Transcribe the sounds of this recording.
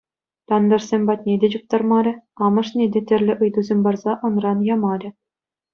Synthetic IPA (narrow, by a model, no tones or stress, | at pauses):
t̪ɑnd̪ɑ̆rsʲemʲbɑt̪̚ʲnʲedʲet͡ɕup̚t̪ɑrmɑɾʲɘ̆ɑmɤ̆ʂnʲedʲetʲɘ̆rʲlʲɘ̆ʔɯjd̪uzʲemʲbɑrzɑʔɤ̆nrɑnjɑmɑɾʲɘ̆